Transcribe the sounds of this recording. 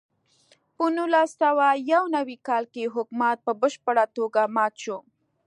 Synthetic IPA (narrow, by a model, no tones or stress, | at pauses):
pənulasawajawnawikɑlkeɦʊkmat̪̚pəbəʃpəɽat̪oɡamɑt̪ʃo